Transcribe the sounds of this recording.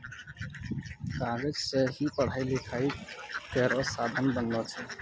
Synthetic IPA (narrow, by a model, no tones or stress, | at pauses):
kaɡed͡ʒseɦipəɽ̤ailikʰaikeɾɔsad̪ʱənbənːɔt͡ʃʰɛ